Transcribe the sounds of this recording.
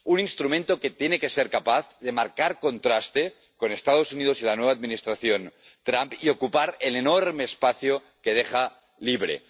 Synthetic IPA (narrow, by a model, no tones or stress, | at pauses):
uninst̪ɾumẽnt̪o̞ket̪jeneke̞seɾkapaθðe̞maɾkaɾko̞nt̪ɾast̪e | ko̞ne̞st̪að̞o̞sunið̞osilanwead̪̚minist̪ɾaθjont̪ɾampio̞kupaɾelenoɾmeːspaθjo | keðexa | liβɾḛ